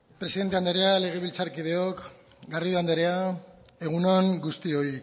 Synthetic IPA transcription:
pɾesiðe̞nt̪e̞and̪eɾe̞ale̞ɣ̞e̞βilt͡saɾkiðe̞o̞k | ɡariðoand̪eɾe̞a | e̞ɣunoaŋɡust̪io̞i

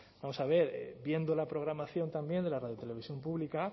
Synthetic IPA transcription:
b̥amo̞saβ̞e̞ɾ̰bje̞nd̪olapɾo̞ɣ̞ɾamaθjo̞nt̪ambje̞nd̪e̞laraðjot̪ele̞β̞isjo̞mpuβlika

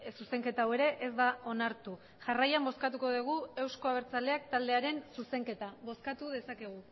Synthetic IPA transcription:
suse̞ŋke̞t̪awe̞ɾe̞ʔezd̪ao̞naɾt̪u | ʝarajambo̞skat̪uko̞ðeɣ̞ue̞wsko̞aβ̞e̞ɾt͡sale̞akt̪ald̪e̞aɾe̞nsuse̞ŋke̞t̪aβo̞skat̪uðe̞sake̞ɣ̞u

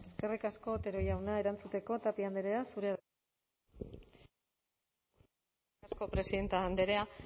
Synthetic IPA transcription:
eske̞rikasko̞t̪e̞ɾo̞jawnae̞ɾant͡sut̪e̞ko̞t̪apiand̪eɾeasuɾe̞a | asko̞pɾe̞siðe̞nt̪aːnd̪eɾea

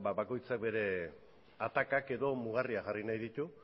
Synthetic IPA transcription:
baβako̞jt͡sak̚be̞ɾe̞ | at̪akake̞ðo̞muɣ̞ariaʝarinajðit̪u

